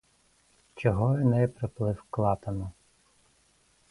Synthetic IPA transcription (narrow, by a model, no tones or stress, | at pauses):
t͡ʃɔɦɔjinɛpɾɪplˠɪwklˠɑt̪ɐnʊ